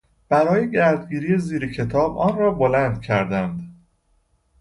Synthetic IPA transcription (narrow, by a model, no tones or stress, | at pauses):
b̥æɾɒːje̞ɟæɾd̪̚ɡiːɾiːjeziːɾecʰe̞t̪ʰɒːbʔɒːnɾɒːbolænd̪cʰæɾd̪ænd̪